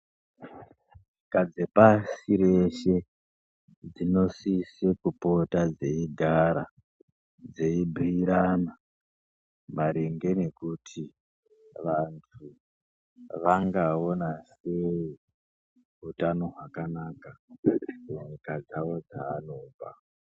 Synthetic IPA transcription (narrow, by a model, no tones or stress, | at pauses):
ʐikad͡ze̞pasiɾe̞ʃe̞ | d͡zino̞sisekupo̞tad͡ze̞iɡʱaɾa | d͡ze̞ibʱiːɾana | maɾeŋɡe̞ne̞kutʰi | ʋantʰu | ʋaŋɡao̞nase̞i | ɦutano̞ɦwakanaːkamuɲikad͡zaʋo̞d͡zaːnoːba